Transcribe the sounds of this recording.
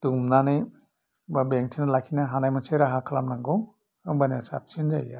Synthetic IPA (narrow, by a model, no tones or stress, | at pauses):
d̥umnanɯj | babeŋ̚tʰinalakʰinaɦanajmanseɾaɦakʰalamnaŋɡɔ | ɯŋbanasa̰p̚t͡ʃʰend͡ʒaja